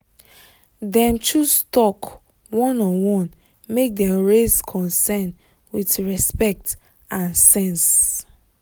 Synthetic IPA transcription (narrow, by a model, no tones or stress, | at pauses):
dɛ̃ntʰustɔk | wɔ̃nɔ̃nwɔ̃n | mek̚dɛ̃mɹezkʰɔ̃nsɛn | witɹɛspɛk̚t | ãnsɛ̃ns